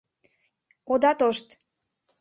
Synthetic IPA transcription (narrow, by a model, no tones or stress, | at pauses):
od̪ɑt̪oʃt̪